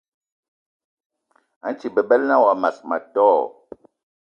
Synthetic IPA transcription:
a˨˦n˦t͡ʃi˨bɛ˨bɛ˦lna˦wa˨ma˨sma̰˨tɔː˦˨

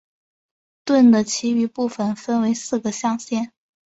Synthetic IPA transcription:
t̪wə˥˩nd̪ə˩t͡ɕʰi˧˥y˧˥pu˥˩fə˩nfə˥nwe˧˥ɪsɹ̩˥˩ɡə˩ɕjɑ˥˧ŋɕjɛ˥˩n

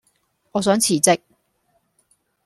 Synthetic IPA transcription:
ŋɔː˨˧s̬œː˨˥ŋt͡sʰiː˨˩t͡sɪ˥k̚

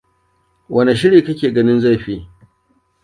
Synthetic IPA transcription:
wʔɐ˦ne˨ʃ̬ɪ˦ɽiː˨kɐ˦kʲeː˨ɡɐ˦nɪ˦nza˦˨ɸiː˦

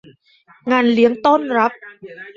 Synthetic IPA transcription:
ŋaː˧nli˨˦əŋt̪o˥˩nɾa˦˥p̚

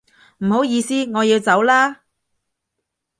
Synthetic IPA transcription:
m̩˨˩ho˨˥wjiː˨˧siː˥ŋɔː˨˧jiː˨˧wt͡sɐ˨˥wlaː˥

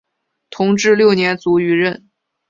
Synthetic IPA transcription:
t̪ʰʊ˧˥ŋʈ͡ʂɻ̩˥˧ljo˥˩ʊnjɛ˧˥nt͡su˧˥y˧˥ɻə˥˩n

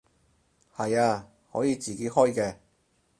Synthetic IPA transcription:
hɐ˨jaː˧ | hɔ̰ː˨˥jiː˨˧t͡siː˨ke˨˥jhɔː˥jkɛː˧

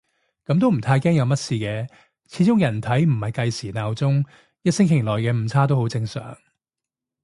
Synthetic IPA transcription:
kɐ˨˧˥mt̪̬o˥wm̩˨˩t̪ʰaː˧jkɛː˥ŋjɐ˨˧wmɐ˥t̚siː˧kɛː˧ | t͡sʰiː˨˧˥t͡sʊ˥ŋjɐ˨˩nt̪ʰɐ˨˥jm̩˨˩hɐ˨jkɐ˧jsiː˨˩naː˨˧wt͡sʊ˥ŋ | jɐ˥t̚sɪ˥ŋkʰɪ˨˩lɔː˨jkɛː˧m̩˨˧t͡sʰaː˥t̪o˥who˨˥wt͡sɪ˧ŋsœ̰ː˨˩ŋ

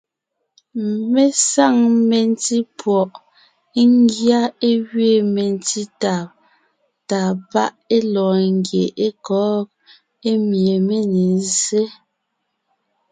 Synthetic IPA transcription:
me˦sa˦˨ŋme˨n˦ti˦pwɔ˨ʔ | ŋ˦ɡja˦e˦ɣɥe˦˨me˨n˦ti˦ta˨ | taː˨pa˦ʔe˦lɔː˨ŋ˦ɡje˨ʔe˦kɔː˨˦k̚ | e˦mje˨me˦ne˨n˦ze˦

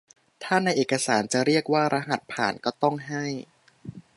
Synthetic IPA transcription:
t̪ʰaː˥˩na˧jʔeː˨˩ka˧saː˩˦nt͡ɕa˨˩ɾi˥˩ək̚waː˥˩ɾʔa˦˥ɦa˨˩t̪̚pʰa̰ː˨˩˦nkɔː˥˩t̪ɔ˥˩ŋɦa˥˩j

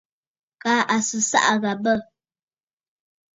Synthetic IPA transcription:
kaː˨˦ʔa˨sɨ˨sa̰˦ʔa˨ɣa˨bə˦˨

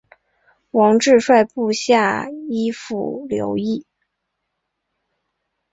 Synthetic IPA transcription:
wɑ˧˥ŋʈ͡ʂɻ̩˥˧ʂwa˥˧ɪpu˥˧ɕja˥˩i˥fṵ˨˩ljo̰˧˥ʊi˥˩

